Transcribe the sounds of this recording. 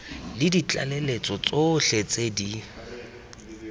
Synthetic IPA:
lɪdit͡ɬʼa̰lelet͡sʼɔt͡sʼoɬet͡sʼedi

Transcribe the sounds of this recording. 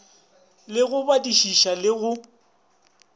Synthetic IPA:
lɪɣʊbadiʃiʃalɪɣʊ

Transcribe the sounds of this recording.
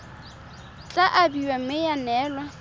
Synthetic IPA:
t͡ɬʼaʔabiwamɪjanɛːlwa

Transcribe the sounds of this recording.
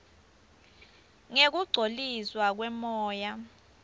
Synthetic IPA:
ŋek̬uɡ͡ǀʱolizwak̬wɛmɔːja

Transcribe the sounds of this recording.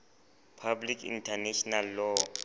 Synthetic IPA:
pʰablikʰḭntʰaneʃɔnalːɔ

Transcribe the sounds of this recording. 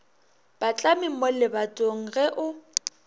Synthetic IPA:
b̥at͡ɬʼamɪŋ̩molɪbatʼoŋ̩ɣɛʔʊ

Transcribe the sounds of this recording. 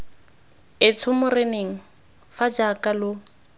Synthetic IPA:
ɪt͡sʰʊmʊreneŋ̩ | fad͡ʒakʼalʊ

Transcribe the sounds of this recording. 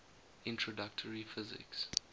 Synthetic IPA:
ɪ̃ntʰɹɔdak̚tʰəɹifɪzɪ̰ks

